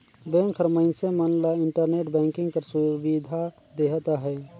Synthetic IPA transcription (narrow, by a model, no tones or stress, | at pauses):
bɛ̃ːŋkʰəɾməɪnsemənlaɪɳʈəɾneːʈbɛ̃ːŋkɪ̃ŋɡkəɾsubid̪ʱa | d̪eɦt̪aɦɛː